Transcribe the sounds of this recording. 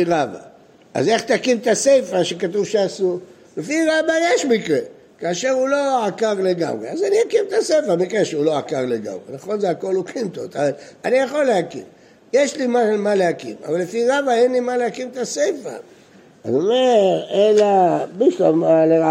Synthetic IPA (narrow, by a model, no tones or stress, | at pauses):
ʁaba̰ | a̰ze̞χt̪akimt̪asejfaʃekat̪uvʃeasu | lefiʁabajeʃmikʁe | kaːʃe̞ʁulo̞akaʁle̞ɡa̰mʁḛazaniakimt̪asejfamikʁeʃeulo̞akaʁleɡa̰mʁḛnaχo̞nzeako̞lukint̪ot̪avaanijaχo̞lːehakḭm | jeʃlimaʃelmalehakḭma̰valːefiʁabaenlimaleakimt̪asejfa̰ | a̰zomeʁelabiʃlamalea